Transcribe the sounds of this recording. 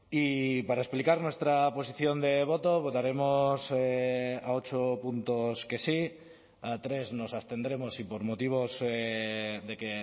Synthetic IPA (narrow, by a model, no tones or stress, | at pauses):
ipaɾaesplikaɾnwe̞st̪ɾaposiθjond̪eβ̞ot̪oβ̞ot̪aɾe̞moseaot͡ʃopunt̪oske̞si | at̪ɾe̞zno̞sast̪e̞nd̪ɾe̞mosipoɾmot̪iβ̞oz | ðeke